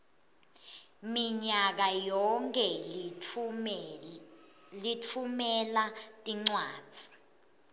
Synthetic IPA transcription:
miɲak̬ajɔŋkʰʼɛ | litʰumɛlatʼiŋ͡ǀwḁːd͡z̥ʱi̥

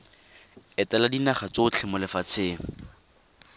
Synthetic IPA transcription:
ɪtɛladinaχat͡sot͡ɬʰɪmʊlɪfat͡sʰeːŋ̩

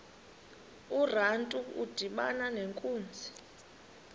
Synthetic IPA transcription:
urantʼuṵd̥ʱiɓa̰naneŋkʼuːnd͡zʱi

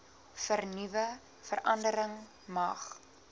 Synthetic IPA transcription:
fərnivə | fəɾʔɐndəɾəŋ | mɐχ

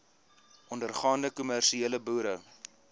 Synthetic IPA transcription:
ʔɔndərχɑːndəkumærʃieːləbuːɾə

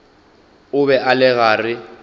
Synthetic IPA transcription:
ʊβɛʔalɛɣaːrɪ

